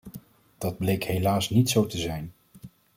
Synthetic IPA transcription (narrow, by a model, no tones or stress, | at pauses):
d̥ɑd̚blejkɦejlaːsnitsowtəzɛjn